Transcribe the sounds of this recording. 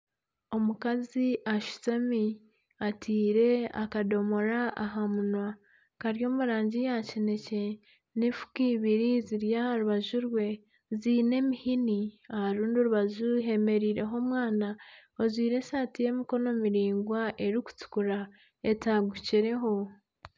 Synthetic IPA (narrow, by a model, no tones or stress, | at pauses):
o̞mukaziʔaʃu̥t͡sami | atʰiːɾe̞a̰kado̞mo̞ɾaaɦamunwa | kaɾjo̞ːmuɾaːɲɟijacine̞ce̞ | nifu̥kiβiɾiziɾjahaɾuβaʒuɾwe̞ | ziːne̞mihiniahaɾuːndioɾuβaʒuɦe̞me̞ɾiːɾe̞ɦo̞ːmwaːnaozwiːɾe̞saːtije̞miko̞no̞miɾiːŋɡwaʔe̞ɾiku̥t͡su̥kuɾa | e̞taɡuciɾe̞ɦo̞